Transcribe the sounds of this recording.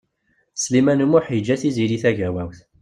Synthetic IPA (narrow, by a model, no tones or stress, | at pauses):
slimænumʊħəd͡ʒːæθiziliθæʝæwæwθ